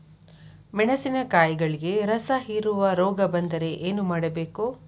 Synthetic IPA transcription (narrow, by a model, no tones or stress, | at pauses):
mɛɳɐsinɐkaːjɡɐɭiɡe̞ɾɐsɐɦiːɾuʋɐɾɔːɡɐbɐnd̪ɐɾe̞ʔeːnumaːɽɐbe̞ːku